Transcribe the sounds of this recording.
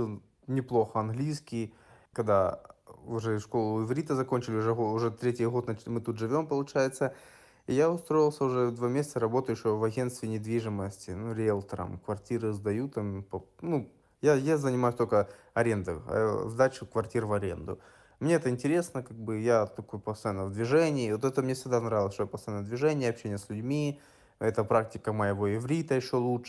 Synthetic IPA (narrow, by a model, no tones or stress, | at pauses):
ɨlˠ | nʲɪplˠo̞xəɐnɣlʲijskʲɪj | kɐɡd̪a | ʊʐɛʂko̞lˠʊɪvɾʲit̪əzɐkonʲt͡ɕɪlʲɪʊʐɛɦoʊʐɛt̪ɾʲetʲɪjɦo̞t̪nɐmɨt̪ut̪ʐɨvʲo̞mpəlˠʊt͡ɕæjɪt̪sə | ijaʊst̪ɾo̞jɪlˠsʲəʊʐɛd̪vamʲesʲɪt̪səɾɐbo̞t̪ʊjɪɕːjovɐɡʲe̞nst̪vʲɪnʲɪd̪vʲiʐɨməsʲtʲɪnuɾʲelˠt̪əɾə̰mkvɐrtʲiɾɨzd̪ɐjut̪ampɐnu | jajazənʲɪmajʉsʲt̪olʲkə | ɐɾʲe̞nd̪ɨ̰zd̪at͡ɕʊkvɐrtʲiɾvɐɾʲe̞̰nd̪ʊ̰ | mnʲeɛt̪əɪnʲtʲɪɾʲe̞snəkaɡ̚bɨjat̪ɐkojʊpɐst̪ɐjanːəvd̪vʲɪʐɛnʲɪːvot̪ɛt̪əmnʲe̞fsʲɪɡd̪anɾavʲɪlˠəsʲʂt̪ojapɐst̪ɐjanːəd̪vʲɪʐɛnʲɪjɐpɕenʲɪjəsʲlʲʉdʲmʲi | ɛt̪əpɾak̚tʲɪ̥kəməjɪvo̞ɪvɾʲit̪əjɪɕːo̞lˠutʂ